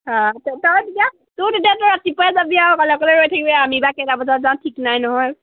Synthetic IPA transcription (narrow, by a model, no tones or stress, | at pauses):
ɦãtɔtɔɹtitia | tʊdetiatʊatipɔjazabiakɔlɛkɔleɹojtʰakibɛamibakɛdabɔzazaw̃tʰiknajnɔɦɔj